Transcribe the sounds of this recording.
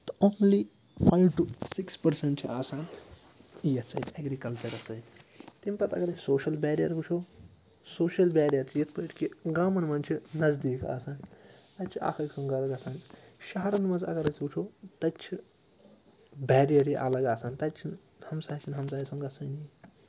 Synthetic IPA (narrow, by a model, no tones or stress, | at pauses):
t̪ɐoːnli | pʰajwʈusikspɐɾseɳʈ̚t͡ʃʰiaːsaːn | ijɐt͡sʰɐjt̪ʰeɡɾikɐlt͡ʃɐɾɐsɐjnt̪impɐt̪ɐ̰ɡɐɾɐt͡ʃʰsoːʃɐlbeːɾijɐɾbut͡ʃʰo | soːʃɐlbɛːɾijɐɾt͡ʃʰijet̪ʰpɐiʈkiɡaːmɐnmɐnt͡ʃʰinɐzd̪iːka̰ːsaːn | t̪ɐt͡ʃʰia̰ːxʰɐksɐ̃ŋɡɐlɐɡɐsaːn | ʃaɦɐɾɐnmɐzɐ̰ɡɐɾɐt͡sʰbut͡ʃʰoːt̪ɐt͡ʃʰi | bɛːɾijɐɾiʔɐlɐɡaːsaːnt̪ɐt͡ʃʰin | hɐmsaːt͡ʃʰinɦɐmsaːisɐ̃ŋɡɐsɐːni